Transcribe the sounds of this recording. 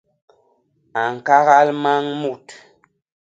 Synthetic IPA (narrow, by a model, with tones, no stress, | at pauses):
a˨ŋ̩˨ka˦ɣa˦lma˦ŋmu˦˨t